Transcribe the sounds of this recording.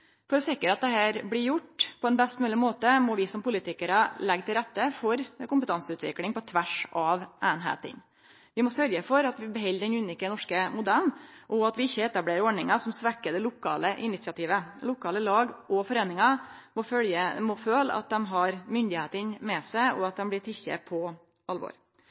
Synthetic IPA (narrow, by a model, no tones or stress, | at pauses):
fɔɾɔsɪkːəɾɑt̪̚d̪ɛɦæːɾblɪjʊʈːpʰɔɛnbɛst̪mʉːlɪmoːt̪əmɔʋɪsɔmpʊlɪt̪ɪkəɾəlɛɡːt̪ʰɪlɾɛt̪ːəfɔɾkʊmpət̪ɑnsəʉːt̪ʋɪ̰klɪŋpɔt̪ʰʋæʂʔɑʋʔæːnɦḛːt̪ə̰n | ʋɪmɔsœɾjəfɔɾɑt̪ʋɪbɛɦɛlːɾɛnʉːnɪːkənɔʂkəmʊd̪ælʔɔɑt̪ʋɪɪçːəɛt̪ɑbleːɾɔɖɳnɪŋɑsɔmsʋɛkːəd̪ɛlʊkʰɑ̰ːləʔɪnɪt̪sɪɑt̪ʰiːʋəlʊkʰɑːləlɑːɡʔɔfɔɾeːnɪŋɑmɔfœljəmɔføːlə̰ʔɑ̰t̪̚d̪ɛmɦɑɾmʏnd̪ɪheːt̪ənmɛsæɪɔ̰ɑt̪̚d̪ɛmblɪʈ̪ʰɪçə̰pʰɔ | ɑlʋɔ̰ːɾ